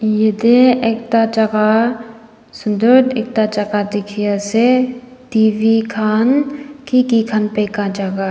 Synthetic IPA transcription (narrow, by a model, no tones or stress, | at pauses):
jed̪eek̚t̪at͡ʃaka | sʊnd̪od̪ek̚t̪at͡ʃakad̪ɪkʰiase | t̪iːʋikʰaːnkikikʰanpekad͡ʒaɡa